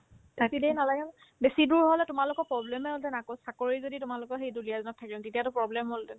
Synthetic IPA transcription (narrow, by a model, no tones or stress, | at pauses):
tatidejnalaɡɛm | besiduɹɦɔlɛtʊmalʊkɔpɹɔblɛmɛɦoltɛnakosakoɹizoditʊmalʊkɔxejdulijazɔnɔtʰːakibtetijatʊpɹɔblɛmɦoltɛn